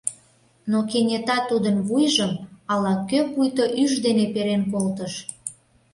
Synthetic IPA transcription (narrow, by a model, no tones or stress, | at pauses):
nokenʲet̪ɑt̪ːud̪ənβujʒəmɑlɑkøpujt̪oʔyʒd̪enepeɾenkolt̪əʃ